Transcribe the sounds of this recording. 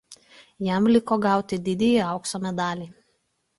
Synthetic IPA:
jɛmlʲɪkoːɡɑˑʊt̪ʲɪd̪ʲɪd̪ʲɛjiɐˑʊksoːmʲɛd̪ɑːlʲiː

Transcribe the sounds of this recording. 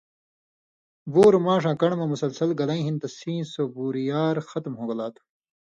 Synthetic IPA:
boːɾmãːʂãːkɐɳmɐ̃musɐlsɐlɡɐlɐĩɦint̪ɐsĩːsobuːɾijaːɾxɐt̪mɦoːɡɐlaːt̪ʰu̥

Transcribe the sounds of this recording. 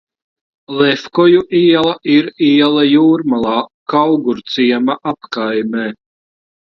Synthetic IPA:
lˠɛfkɔjuʔiɛlˠaʔiɾiɛlˠajuːɾmalˠɑːkawɡuɾt̪siɛmaʔapkajmeː

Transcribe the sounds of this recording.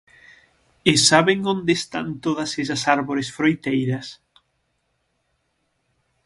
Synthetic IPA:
esaβeŋõnd̪est̪a̰nt̪oðɐses̬ɐsaɾβoɾesfɾojt̪ejɾɐs

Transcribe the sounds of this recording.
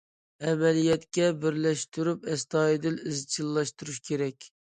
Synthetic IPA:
ɛmɛlijɛt̪kʲɛbɪɾlɛʃt̪yɾypɛst̪ɑːjid̪ɪlɪzt͡ʃʰilˠːɑʃt̪uɾuʃkʲʰeɾɛkʲ

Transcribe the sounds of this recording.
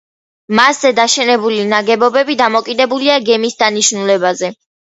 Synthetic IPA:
masz̥ɛd̪aʃɛnɛbulinaɡɛbɔbɛbid̪amɔkʼid̪ɛbuliaɡɛmisd̪aniʃnulɛbazɛ

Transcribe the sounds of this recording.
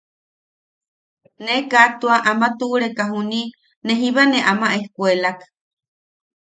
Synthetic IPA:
nekat̪uaʔamat̪uʔuɾekaɦuni | neɦiβaneʔamaʔehkwelakḁ

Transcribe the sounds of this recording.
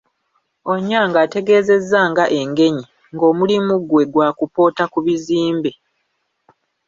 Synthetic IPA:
o̞ɲːaːŋɡaːte̞ɡe̞ːze̞zːaːŋɡaʔe̞ŋɡe̞ɲi | ŋɡo̞ːmulimuɡwe̞ɡwaːkupo̞ːtakuβiziːmbe

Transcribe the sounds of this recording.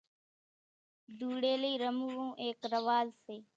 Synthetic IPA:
d̪uːɽeːləiːɾəmuːʋõːʔeːkɾəʋaːzseː

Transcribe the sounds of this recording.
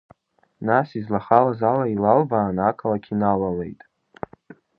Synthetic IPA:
nasizlaχalazalailalbaːnakʰʼalakʲʰinalalḛjtʼ

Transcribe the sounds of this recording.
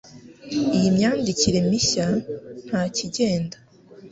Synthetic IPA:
ijimɲaːndiciɾe̞miɕan̥haːciɟe̞ːnda

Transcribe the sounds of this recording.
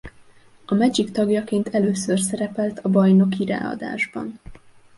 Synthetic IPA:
ɒmɛd͡ʒikt̪ɒɡjɒkeːnt̪ʰɛløːsørsɛɾɛpɛlt̪ɒbɒjno̞kiɾa̰ːɒ̰d̪a̰ːʒbɒ̰n

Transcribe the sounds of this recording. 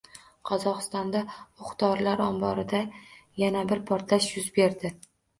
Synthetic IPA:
qʰɒzɒqɨst̪ɒnd̪aʊχt̪ɒɾlaɾɒmbɒɾɪd̪ajanabɪɾpʰɒɾt̪laʃjʊzbe̞ɾd̪ɪ

